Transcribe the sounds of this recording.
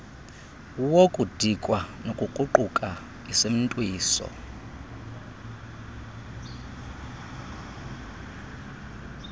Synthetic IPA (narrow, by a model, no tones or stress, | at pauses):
wokʼud̥ʱikʼwanokʼuǃuǃukʼa | isem̩tʼwiːsɔ̰